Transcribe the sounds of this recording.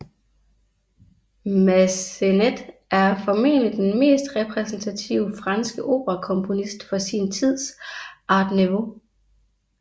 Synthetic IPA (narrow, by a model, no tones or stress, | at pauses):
mæsened̥æɐfɒ̽me̝̰ːlid̥enme̝̰ːsd̥ʁɛpʰʁɛsn̩t͡sʰæt͡sʰḭʊ̰fʁɑ̈nsɡ̥əʔo̝̰ːb̥ʁɐkʰɔ̽mpʰo̝nisd̥fɒ̽sint͡sʰið̞̰ˠsʔɑ̈ːd̥niʋo̝